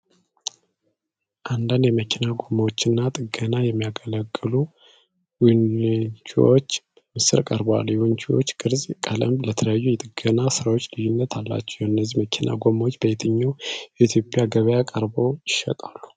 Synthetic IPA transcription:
ʔand̪and̪jɛməkʰinaɡo̞mːawot͡ʃːɪnːat̪ʼɨɡənajɛmːijaɡələɡːɨlu | wnt͡ʃiwot͡ʃː | mɨsɨɾkʼəɾbwa̰lːjɛwʊnt͡ʃʰiwo̞̰t͡ʃːɡʼɨɾzʼkʼələmblət̪ʰələjajːujɛt̪ʼɨɡənasɨɾawo̞t͡ʃːlɨjːunːət̪ʰalːa̰t͡ʃːɛ̥wjɨnːəzːiməkʰinʔa̰ɡo̞mːawot͡ʃːbəjet̪ʰɨɲːawjɛit̪ʰjo̞pʼjaɡəβəjakʼəɾbo̞jɪʃə̰t̪ʼalːu̥

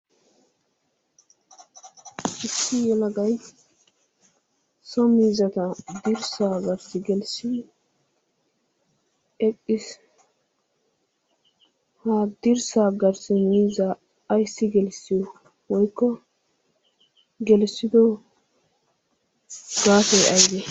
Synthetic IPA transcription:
ʔɪsːɪjɛlɐɡɐj | sɔmiːzɐt̪ɐd̪ɪɾsaːɡɐɾsɪɡɛlsɪ | ɛkʼːɪs | had̪ɪɾsaːɡɐɾsɪmiːzɐː | jsːɪɡɛlsːɪjɔ | wɔjkːɔ | ɡɛlsːɪd̪ɔ | ɡ̥aːfɛʔɐjd̪e

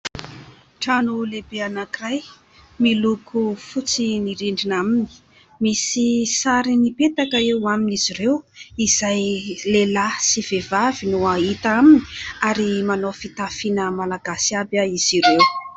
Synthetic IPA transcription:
ʈ͡ʂanulebeanakiraj | milukʰufut͡siniɾiɳɖ͡ʐinamini̥ | misisaɾinipet̪akəewaminiz̥iɾewiz̥ajlelasiv̥evavinuait̪amini̥aɾimanofit̪afinəmalaɡasiabaiz̥iɾew

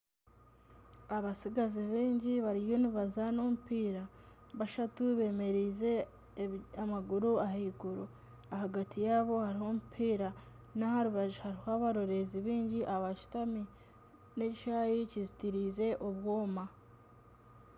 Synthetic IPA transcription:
aβasiɡaziβiːɲɟiβaɾijo̞niβazano̞mupiːɾa | βaʃatuβe̞ːme̞ɾize̞ | amaɡuɾuahiɡuɾo | aɦaɡatʰijaːβo̞haɾiho̞mupʰiːɾa | nahaɾuβaʒihaɾihoaβaɾo̞ɾe̞ziβiːɲɟiʔaβaʃi̥tami | ne̞ciʃajicizitiɾiːze̞ʔo̞βwoːma

